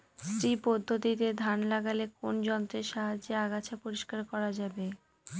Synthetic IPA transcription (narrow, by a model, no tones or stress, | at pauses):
st̪ɾipɔd̪ʱːot̪it̪ed̪ʱanlaɡalekond͡ʑɔnt̪ɾeʃaɦad͡ʑeaɡat͡ɕʰapoɾiʃkaɾkɔɾad͡ʑabe